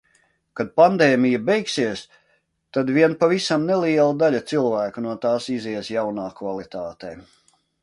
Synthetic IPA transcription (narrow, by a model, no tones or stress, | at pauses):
kad̪̚pand̪ɛːmijabɛjksiɛs | t̪ad̪viɛnpavisamnɛliɛlˠad̪aʎʲat̪silˠvæːkunuɔt̪aːsiziɛsjawnaːkvalˠit̪aːt̪ɛː